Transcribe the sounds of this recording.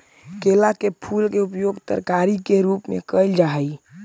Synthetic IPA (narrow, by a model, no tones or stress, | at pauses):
kelakepʰulkeupjoɡt̪ə̰ɾkaɾikeɾuːpmḛ̃kəɪld͡ʒaɦi